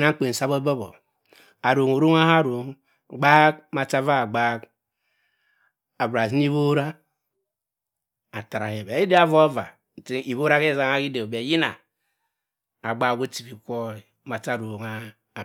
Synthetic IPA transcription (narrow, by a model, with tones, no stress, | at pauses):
na˦ŋ̩˦k͡pe˨n̩˨sa˦bo˦bo˦bo̰˨ | a˨ɾo˨ŋo˨ɾo˦ŋa˦ha˦ɾo˨ŋ˨ | ɡ͡ba˦k̚ma˨t͡ʃa˦va˦˨ɡ͡ba˦k | a˨bɾa˨zi˦n˦i˦βo˦ɾa˦ | a˨ta˨ɾa˨he˨be˨˦i˦de˦a˦vo˦va˨ | ti˦i˨βo˦ɾa˦ke˦˨za˦ŋa˦ki˦de˨be˨ji˦na˨ | a˨ɡ͡ba˦ko˦ti˨βi˨ko˦˨ | ma˨t͡ʃa˦˨ɾo˨ŋa˦˨